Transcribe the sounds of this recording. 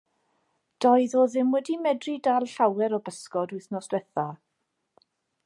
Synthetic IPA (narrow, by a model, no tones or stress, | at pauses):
d̥ɔɨðoːðɪmwɛdimɛdridalˠɬawɛɾɔbəskɔdʊɨθnɔsɛθa